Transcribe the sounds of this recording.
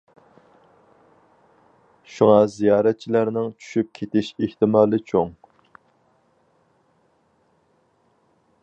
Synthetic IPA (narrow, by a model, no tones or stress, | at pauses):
ʃuŋɑzijɑːɾɛt̪̚t͡ʃʰilæɾnɪŋt͡ʃʰy̥ʃyp̚kʲʰet̪ɪʃeht̪ɪmɑːlˠɨt͡ʃʰoŋ